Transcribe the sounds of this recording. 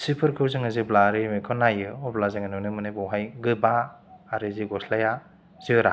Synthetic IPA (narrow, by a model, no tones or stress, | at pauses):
sipʰɯɾkʰɯzɯŋaziblaɾɯmikʰɔnajɯɔblazɯŋanɯnɯmɯnɯbɔwɦajɡɯbaː | ɾɯziɡɔslaja | z̥ɯɾa